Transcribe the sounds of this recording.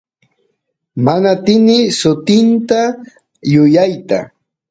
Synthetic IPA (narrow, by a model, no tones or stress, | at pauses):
manat̪ɪnɪsʊt̪ɪnt̪a | jʊjajt̪a̰